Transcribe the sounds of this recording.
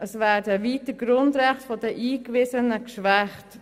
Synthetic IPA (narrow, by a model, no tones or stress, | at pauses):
əsvæːɾdəʋiːtəɡ̥ɾʊndɾɛχtfɔdɛʔiːkʋɪsənəkʃʋæχt